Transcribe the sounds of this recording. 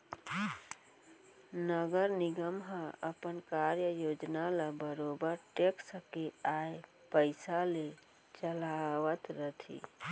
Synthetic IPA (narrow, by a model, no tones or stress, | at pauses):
nəɡəɾniɡəmɦə̃əpənkaɾjəjod͡ʒnalabəɾobəɾʈeksəkeaj | pəɪsale | t͡ʃəlaʋət̪ɾət̪ʰḭ